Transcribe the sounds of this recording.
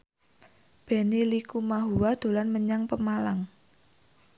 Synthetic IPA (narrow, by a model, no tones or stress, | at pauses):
b̥e̤nilikumaɦuwad̪̥o̤lanməɲaŋpəmalaŋ